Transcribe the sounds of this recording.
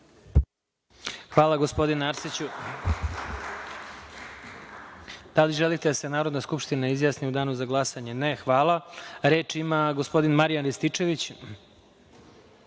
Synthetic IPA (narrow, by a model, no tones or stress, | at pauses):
xʋaːlˠaɡo̞spo̞d̪inaaɾsit͡ɕu | d̪̥aliʒelit̪ed̪ase̞naːɾod̪naskupʂt̪inaizjaːsniud̪aːnuzaɡlˠasaɲe̞nexʋaːlˠaɾe̞ːt͡ʂimaɡo̞spo̞d̪inmaɾijanɾist̪it͡ʂe̞ʋit͡ɕ